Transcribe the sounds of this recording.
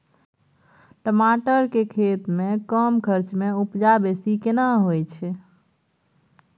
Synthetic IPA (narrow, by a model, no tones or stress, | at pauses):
ʈəmaʈəɾkekʰet̪mekəmkʰəɾt͡ʃmeupd͡ʒabesikenaɦojt͡ʃʰɛ